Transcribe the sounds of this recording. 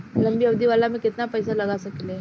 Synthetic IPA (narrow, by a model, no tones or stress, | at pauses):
ləmbiəʋd̪ʱiʋalamiːkit̪napəjsaləɡasəkile